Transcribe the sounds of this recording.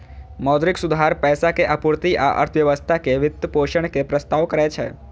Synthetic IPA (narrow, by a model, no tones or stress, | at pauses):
mɔd̪ɾɪksud̪ʱaɾpɛːsakeʔəpuɾt̪iʔa̰ʔə̰ɾt̪ʰəʋjəʋəst̪ʰakeʋɪt̪ːəpoʃəɳ̃kepɾəst̪aʋkəɾet͡ʃʰḛ